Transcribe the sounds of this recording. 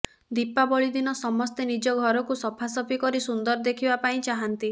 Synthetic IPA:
d̪ipːabɔɭid̪inɔsɔmɔst̪enid͡ʒɔɡʱɔɾɔkusɔpʰasɔpʰikɔɾisund̪ɔɾd̪ekʰibapaĩt͡ʃaɦant̪i

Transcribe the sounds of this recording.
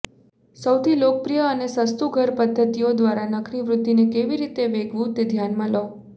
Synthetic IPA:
səwt̪ʰilok̚pɾijəːnesəst̪uɡʱəɾpəd̪ʱːət̪ijod̪ʋaɾanəkʰniʋɾʊd̪ːinekeʋiɾit̪eʋeɡʱʋũt̪ed̪ʱjanmãlə

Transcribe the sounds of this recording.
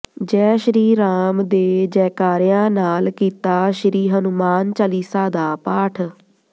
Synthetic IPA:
d͡ʒɛːʃəɾiːɾaːmd̪eːd͡ʒɛːkaːɾɪjãːnaːlkiːt̪aːʃəɾiːɦənʊmaːnt͡ʃəliːsaːd̪aːpaːʈʰ

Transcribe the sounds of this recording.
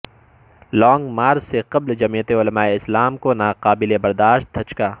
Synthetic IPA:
lɔːŋɡmaːɾzseqɐbld͡ʒɐmiːjət̪eʊlɐmaːeɪslaːmkonaːqaːbɪlebɐɾd̪aːʃt̪̚d̪ʰʱɐt͡ʃkaː

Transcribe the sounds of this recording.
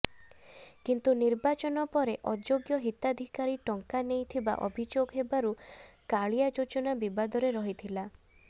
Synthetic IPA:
kint̪uniɾbat͡ʃɔnɔpɔɾeʔɔd͡ʒoɡjɔɦit̪ad̪ʱikaɾiʈɔŋkanejt̪ʰiba̰ʔɔ̰bʱid͡ʒoɡɦebaɾukaɭijad͡ʒod͡ʒɔnabibad̪ɔɾeɾɔɦit̪ʰila

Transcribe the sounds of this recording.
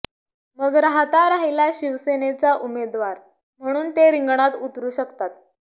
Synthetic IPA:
məɡɾaɦat̪aɾaɦilaɕiʋsenet͡saʔumed̪ʋaɾ | m̤əɽ̃uːnt̪eɾiŋɡɳ̃at̪ut̪ɾuːɕəkt̪at̪̚

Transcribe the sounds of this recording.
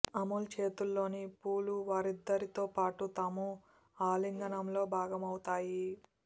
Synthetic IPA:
ɐmult͡ʃe̞ːt̪ulːo̞ːnipuːluʋaːɾid̪ːɐɾit̪o̞ːpaːʈut̪ɐmu | aːliŋɡɐnɐmlo̞ːbʱaːɡɐmɐwut̪aːji

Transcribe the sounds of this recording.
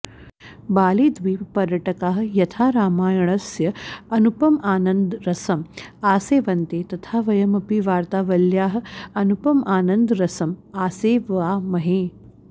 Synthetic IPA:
baːliːd̪ʋiːpɐɾjɐʈɐkaːɦ̆jɐt̪ʰaːɾaːmaːjɐɳ̃ɐsjɐɐnupɐmaːnɐnd̪ɾɐsɐmaːseːʋɐnt̪eːt̪ɐt̪ʰaːʋɐjɐmɐpiʋaːɾt̪aːʋɐljaːɦə̆ɐnupɐmʔaːnɐnd̪ɾɐsɐmaːseːʋaːmɐɦeː

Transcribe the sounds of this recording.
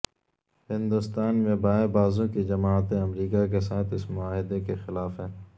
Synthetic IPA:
hɪ̃nd̪ʊst̪aːnmẽbaːebaːzõkid͡ʒɐmaːt̪ẽɐmɾiːkak̬esaːt̪ʰɪsmʊaːɦɪd̪ekexɪlaːfɦɛː

